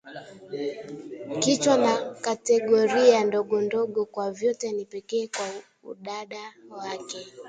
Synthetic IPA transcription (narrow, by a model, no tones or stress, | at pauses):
kit͡ʃwanakatɛɠɔɾiandɔɠɔndɔɠɔkwavjɔtɛnipɛkɛːkwa | ṵɗaɗawakɛ